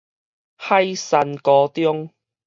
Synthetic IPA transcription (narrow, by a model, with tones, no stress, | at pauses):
hɐ˥jsɐ˧nkɔː˨˧t̪jʊ˥ŋ